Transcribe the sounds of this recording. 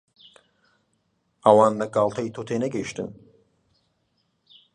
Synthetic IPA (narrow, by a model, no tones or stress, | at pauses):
ɐwɑːnlɐɡɑːlˠt̪ʰɐjt̪ʰot̪ʰeːnɐɡɐjiʃt̪ɨ̰n